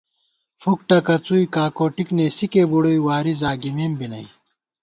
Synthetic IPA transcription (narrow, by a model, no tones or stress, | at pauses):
fuk̚ʈɐkɐt͡suikaːkoːʈikneːsikebuɽojwaːɾizaːɡimeːmbinɐi